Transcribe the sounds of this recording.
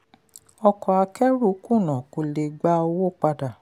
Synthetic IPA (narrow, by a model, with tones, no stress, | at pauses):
ɔ˧kɔ˨a˧kɛ˦ɾu˦˨˦ku˦˨nã˨ko˨le˨ɡ͡ba˧˦o˧wo˦˨k͡pa˧da˨